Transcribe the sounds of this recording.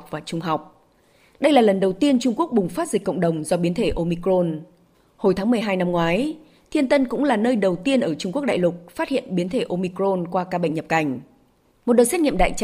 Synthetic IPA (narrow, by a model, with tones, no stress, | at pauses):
k͡p̚vaː˨˩t͡ɕʊ˧ŋ͡mɦa˨˩wk͡p̚ | ɗə˧jlaː˨˩lə˨˩nɗə˨˩wt̪i˧ənt͡ɕʊ˧ŋ͡mku˦˥ək̚ɓʊ˨˩ŋ͡mfaː˦˥t̚zi˨˩k̟kːə̰˧˨wŋ͡mɗə˨˩wŋ͡mzɔ˧ɓi˨˦ənt̪ʰe˧˩ʔo˧mi˧kɾo˧n | ho˧˩jt̪ʰaː˨˦ŋmɨ˨˩əjɦaː˧jna˧mŋwaː˨˦j | t̪ʰi˧ənt̪ə˧nkʊ̰˧˥ŋ͡mlaː˨˩nəː˧jɗə˨˩wt̪i˧ənʔəː˧˩t͡ɕʊ˧ŋ͡mku˦˥ək̚ɗ̰aː˧˨jlʊ˨˩k̚faː˦˥t̚hḭ˧˨ənɓi˨˦nt̪ʰe˧˩ʔo˧mi˧kɾo˧nkwaː˧kaː˧ɓə̰˧˨ŋ̟ɲə˨˩p̚ka˧˩jŋ̟ | mo˨˩t̚ɗə˨˩sɛ˦˥t̚ŋḭ˧˨mɗa̰ː˧˨jt͡ɕ